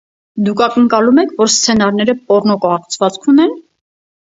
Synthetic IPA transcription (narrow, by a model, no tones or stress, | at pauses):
d̪ukʰɑkəŋkɑlumɛkʰvɔɾst͡sʰɛnɑɾnɛɾəpɔɾnɔkɔhɑχt͡sʰvɑt͡skʰunɛn